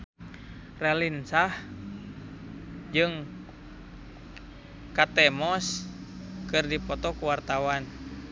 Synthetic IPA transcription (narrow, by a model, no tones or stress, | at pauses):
rɛlinsah | d͡ʒɨŋ | kat̪ɛmɔs | kɨrdipɔt̪ɔkuwart̪awan